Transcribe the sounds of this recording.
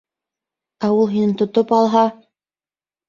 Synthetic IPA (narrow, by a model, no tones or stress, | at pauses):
æulˠɦinɘnt̪ŏt̪opɑlˠɦɑ